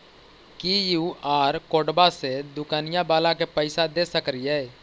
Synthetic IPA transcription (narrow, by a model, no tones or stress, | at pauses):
kijuːaːɾkoːɖbased̪ʊkaːnɪjãbaːlãkepəɪsad̪eːsəkɾiɦɛː